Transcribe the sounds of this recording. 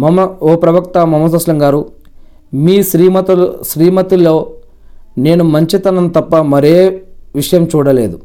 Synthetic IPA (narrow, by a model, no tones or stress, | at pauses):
mɐmɐɔːpɾɐʋɐkt̪ɐmɐmːɐs̬ɐsʂlɐŋɡaːɾu | miːsɾiːmɐt̪ʃɾiːmɐt̪iloː | ne̞ːnumɐɲt͡ʃit̪ɐnɐnt̪ɐpːɐmɐɾeːʋiʂɐjɐmt͡ʃuːɽɐle̞ːd̪u